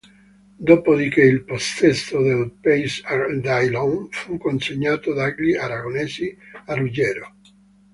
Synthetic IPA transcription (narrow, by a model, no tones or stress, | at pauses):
d̪oːpod̪ikeilpost̪ɛst̪od̪elpejsd̪ajlɔnfukːonseɲːaːt̪od̪aɡliaɾaɡoneːziarud͡ʒɛːɾo